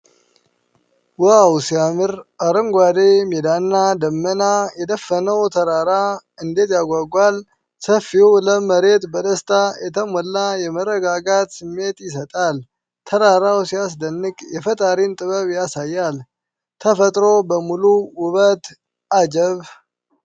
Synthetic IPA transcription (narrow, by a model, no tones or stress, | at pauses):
wawsiamɨɾaɾəŋɡʷad̪emed̪anːad̪əmːənajɛd̪əfːənəwt̪ʰəɾaɾaɨnd̪e̞t̪jaɡʷaɡʷal | səfːiwləməɾe̞t̪bəd̪əst̪ʰajɛt̪ʰəmɔlːajɛmərːəɡaɡat̪sɨmːe̞t̪jɪs̬ət̪ʼal | t̪ʰəɾaɾawsijasd̪ənːɨkʼjɛfət̪ʼaɾint̪ʼɨβəβjasajːal | t̪ʰəfət̪ʼɾo̞bəmuluwʊβət̪ | ad͡ʒəβ